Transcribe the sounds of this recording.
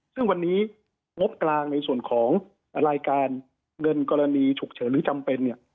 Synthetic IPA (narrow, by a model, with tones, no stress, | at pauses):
sɯ˥˩ŋwa˧nːiː˦˥ | ŋo˦˥p̚klaː˧ŋna˧jsu˨˩ənkʰɔː˩˦ŋ | ɾaː˧jkaː˧n | ŋɤ˧nkɔː˧ɾa˧niː˧t͡ɕʰu˨˩k̚t͡ɕʰɤː˩˦nɾɯː˩˦t͡ɕa˧mpe˧nːi˥˩ə